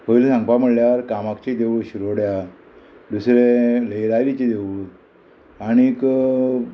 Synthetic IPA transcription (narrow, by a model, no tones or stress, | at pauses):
pəilsãŋɡpam̤əɽljaəɾkamakt͡ɕid̪eʋuɕuɾoɽja | d̪usɾeləjlaɾit͡ɕid̪eʋu | añik